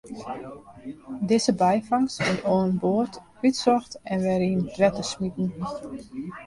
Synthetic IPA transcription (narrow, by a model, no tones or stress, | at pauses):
dɪzəbɛjfaŋsɪroənboːrt | ytsɔxtɛnʋɛɾind̥ʋɛtəsmitn̩